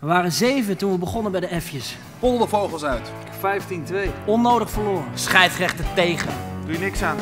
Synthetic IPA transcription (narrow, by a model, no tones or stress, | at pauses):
əʋaːrənzejvəntunʋəbəχɔnənbɛjdəɛfjəs | pɔlˠdəvowχəlˠsœɥtɪkfɛjftintʋejɔnːowdəχfəɹloːrənsχɛjfrɛχtətejχə̰nd̥ujənɪksaːn